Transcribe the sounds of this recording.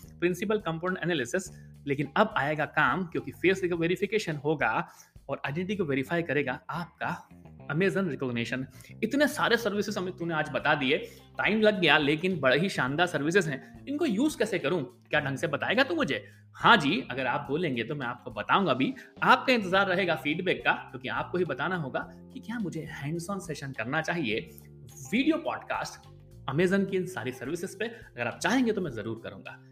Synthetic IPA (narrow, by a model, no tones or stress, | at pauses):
pɾɪ̃nsɪp̬əlkɐ̃mpoːnẽɳʈɛnɛːlɪsɪsleːkɪnɐbaːeːɡakaːmkjõːkifeːsɪkʋeːɾɪfɪkeːʃənɦoːɡaɔːɾaɪɖɛ̃ɳʈʈikoʋeːɾɪfaːikɐɾeːɡaaːp̚kaɐmeːzənɾɪkɔːɡneːʃənɪt̪nesaːɾesɐɾʋɪsɪzɐmẽt̪ʊ̃nẽaːd͡ʒbɐt̪ad̪ieː | ʈaːɪmlɐɡːɐjaleːkɪnbɐɽeɦiʃãːnd̪aːɾsɐɾʋɪs̬ɪzɦɛ̃ːɪnkojuːzkɛːsekɐɾũːkjaːɖʱɐ̃ŋɡsebɐt̪aːeːɡat̪omʊd͡ʒʱeː | hãːd͡ʒiːɐɡəɾaːp̚boːlẽːŋɡet̪omɛ̃aːp̚kobɐt̪aːũːŋɡabʱiaːp̚kaɪ̃nt̪ɪzaːɾːɐɦeːɡafiːɖbɛːkːakjõːkia̰ːp̚koɦibɐt̪aːnaɦoːɡa | kikjaːmʊd͡ʒʱehɛ̃ːɳɖsɔ̃ːnseːʃənkɐɾnat͡ʃaːɦie | ʋiːɖijopɔːɖka̰ːsʈ | ɐmeːzənkiɪnsa̰ːɾisɐɾʋɪsɪzpeɐɡəɾaːp̚t͡ʃaːɦẽːŋɡet̪omɛ̃ːzɐɾuːɾkɐ̰ɾṵ̃ːŋɡa̰ː